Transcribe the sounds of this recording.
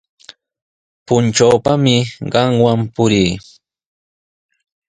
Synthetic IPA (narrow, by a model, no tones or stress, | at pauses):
pʊnt͡ʃawpamɪɢɑŋwampʊɾiː